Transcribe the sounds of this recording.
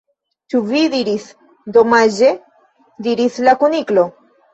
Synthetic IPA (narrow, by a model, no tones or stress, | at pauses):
t͡ʃuvid̪iɾis | d̪omaʒe | d̪iɾislakuniklo